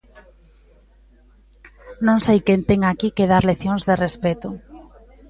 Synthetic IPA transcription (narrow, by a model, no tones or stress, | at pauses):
nõŋsejkent̪eŋakikeð̞aɾleθjõŋzðerespɛt̪ʊ